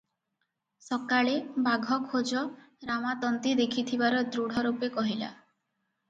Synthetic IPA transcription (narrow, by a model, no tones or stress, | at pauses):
sɔkaɭebaɡʱɔkʰod͡ʒɔ | ɾamat̪ɔnt̪id̪ekʰit̪ʰibaɾɔd̪ɾuɽ̤ʱɔɾupekɔɦila̰